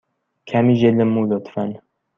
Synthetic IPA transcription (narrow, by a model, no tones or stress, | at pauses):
kʰæmiʒeləmulot̪ʰfæn